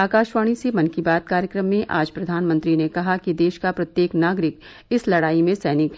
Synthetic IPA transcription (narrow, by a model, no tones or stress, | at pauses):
aːkaːʃʋaːɽ̃isemɐ̃nkibaːt̪̚kaːɾjəkɾəmːẽʔa̰ːd͡ʒpɾɐd̪ʱaːnmə̃nt̪ɾinekɐɦakid̪eːʃkapɾɐt̪jeːknaːɡɾɪk | ɪslɐɽaːimẽsɛːnɪk